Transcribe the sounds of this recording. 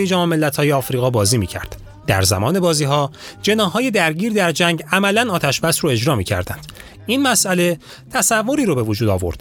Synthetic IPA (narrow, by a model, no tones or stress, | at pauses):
jed͡ʒæmɒme̞lːæt̪ʰhɒːjeɒːfɾiːɣɒːbɒːziːmiːcʰæ̰ɾd̪̥ | d̪æ̰ɾzæ̰mɒːne̞bɒːziːɦɒːd͡ʒe̞nɒːhːɒːje̞d̪æɾɟiːɾd̪æɾd͡ʒæŋɟæmælænɒːt̪ʰæʃbæsɾoe̞d͡ʒɾɒːmiːcʰæ̰ɾd̪ænd̪̥ | inmæsʔæle̞ | t̪ʰæsævːo̞ɾiːɾobe̞vod͡ʒuːd̪ɒ̰ːvo̞̰ɾd̪̥